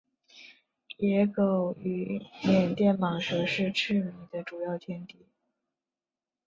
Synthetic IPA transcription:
jɛ˧˥ko˨˩ʊy˧˩njɛ˨˩nt̪jɛ˥˩nmɑ˨˩ŋʂɤ˧˥ʂɻ̩˥˧ʈ͡ʂʰɻ̩˥˩mi˧˥ŋd̪ə˧ʈ͡ʂu˨˩jɑ˥˩ʊt̪ʰjɛ˥nt̪i˨˩˦

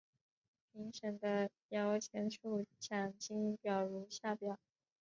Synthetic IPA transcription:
pʰi˧˥ŋʂə˨˩ŋd̪ə˦ | jɑ˧˥ʊt͡ɕʰjɛ˧˥nʂʰu˥˩t͡ɕʰja˨˩ŋt͡ɕi˥ŋpjɑ˨˩ʊɻu˧˥ɕja˥˩pjɑ˨˩˦ʊ˦

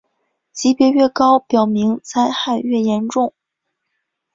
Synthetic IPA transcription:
t͡ɕi˧˥pjɛ˧˥ɥɛ˥˩kɑ˥ʊpjɑ˨˩ʊmi˧˥ŋt͡sʰa˥ɪxa˥˧ɪɥɛ˥˩jɛ˧˥nʈ͡ʂʊ˥˩ŋ

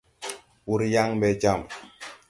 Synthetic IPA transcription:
wu˨ɾja˦ŋbɛ˨d͡ʒa˦˨m

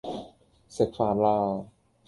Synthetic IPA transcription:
se˨˩k̚faː˨˩nlaː˧˩

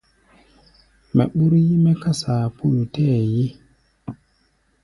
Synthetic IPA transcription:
mɛ̰˨ɓu˦ɾji˦me˦ka˦sa˨pu˦ju˨te˦˨ji˦

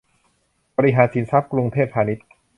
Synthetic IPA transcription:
bɔː˧ɾi˦˥ɦaː˩˦nsi˩˦nsa˦˥p̚kɾu˧ŋt̪ʰeː˥˩t̪̚pʰaː˧ni˦˥t̪̚

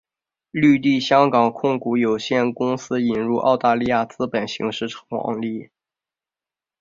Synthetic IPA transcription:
ly˥˧t̪i˥˩ɕjɑ˥ŋkɑ˨˩ŋkʰʊ˥˩ŋku˧˥jo˨˩ʊɕjɛ˥˩nkʊ˥ŋsɹ̩˥i˨˩nɻu˥˧ʔɑ̰˥˧ʊt̪a˥˧li˥˧ja˥˩t͡sɹ̩˥pə˨˩nɕḭ˧˥ŋʂɻ̩˥˩ʈ͡ʂʰɑ̥˧˥ŋɑ̰˥˧ŋli˥˩

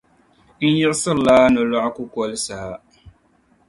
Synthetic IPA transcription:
n̩˦jɪ˦ʔsɨ˦˨laː˦nɨ˨lɔ˦ʔku˦kɔ˦lɨ˦saː˨

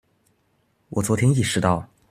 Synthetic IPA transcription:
wɔ˨˩t͡swɔ˧˥t̪ʰjɛ˥ni˥˩ʂɻ̩˧˥t̪ɑ˥˩ʊ

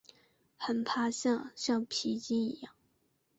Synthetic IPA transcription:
xə˨˩npʰa˥˧ɕjɑ˥˧ŋɕjɑ˥˩ŋpʰi˧˥t͡ɕi˥ni˧˥jɑ˥˩ŋ

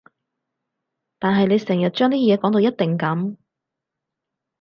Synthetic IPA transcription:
t̪aː˨nɦɐ˨jne˨˧jsɛː˨˩ŋjɐ˨t̚t͡ʃœː˥ŋt̪iː˥jɛː˨˧kɔː˨˥ŋt̪o˧wjɐ˥t̚t̪ɪ˨ŋkɐ˨˥m

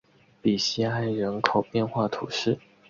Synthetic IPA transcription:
pi˨˩ɕi˥a˥ɪɻə˧˥nkʰo˨˩ʊpjɛ˥˧nxwa˥˩t̪ʰu˨˩ʂɻ̩˥˩

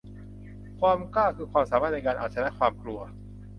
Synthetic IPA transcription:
kʰwaː˧mkaː˥˩kʰɯː˧kʰwaː˧msaː˩˦aː˥˩t̪n˧jkaː˧nʔaː˨˩t̪̚t͡ɕʰna˦˥ʔkʰwaː˧mklu˧ɐ

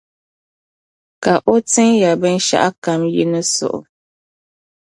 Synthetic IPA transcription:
ka˨ʔo˦tɨ˦ŋja˨bɨ˦n˦ʃa̰˦ʔa˦ka˨mji˦nɨ˦sʊ̰˨ʔʊ̰˨

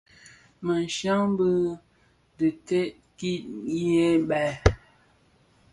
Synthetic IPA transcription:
mə˨n˨ʃa˦ŋbə˦ | də˨te˦ʔ | ki˦ʔje˦bɛ˨

